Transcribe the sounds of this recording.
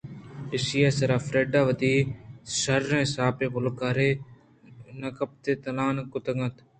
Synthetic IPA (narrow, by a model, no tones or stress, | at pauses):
ɪsɪjaːsəɾaːfɾeːɖaːʋəd̪iːsəɾːẽːsaːpeːpʊlkaːɾeː | nəkəp̚t̪eːt̪əlaːnkʊt̪əŋət̪